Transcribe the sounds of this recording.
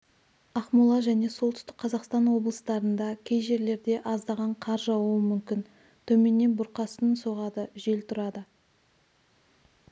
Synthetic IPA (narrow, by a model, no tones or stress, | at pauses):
ɑχmʊlˠɑʒæne̞solˠt̪ʏ̥st̪ɪk̚qʰɑzɑqst̪ɑnwo̞blˠəst̪ɑɾənd̪ɑkʲʰe̞jʒe̞ɾle̞ɾd̪e̞ʔɑzd̪ɑʁɑɴqʰɑɾʒɑwuəmʏmkʲɪn | t̪ʰɵme̞nːe̞nbʊɾqɑsənənso̞ʁɑd̪əʒe̞lt̪ʰʊɾɑd̪ə